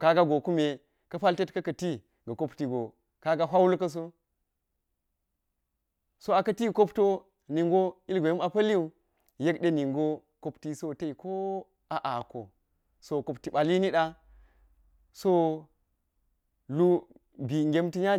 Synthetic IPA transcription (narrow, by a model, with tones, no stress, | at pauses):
ka˦ɡa˦ɡo˨ku˦me˨ | kɐ˦ɸa˦lte˦tkɐ˦kɐ˨ti˦ | ɡɐ˨ko˦pti˨ɡo˨ | ka˦ɡa˦ɦʷa˦wlkɐ˦s̬o˦ | so˦a˨kɐ˦ti˦˨ko˦pto˦ | ni˨ŋɡo˦i˦lɡʷe˨jma˨pɐ˦li˦u˦ | je˦kɗe˦ni˨ŋɡo˦ | ko˦pti˦so˦ta˦i˨ko˦ | a˨ʔa˨ko̰˨ | so˦ko˨pti˨ɓa˨li˦ni˦ɗa˦ | so˦ | lu˦ | bi˨ŋɡʲe˦mti˦ɲa˦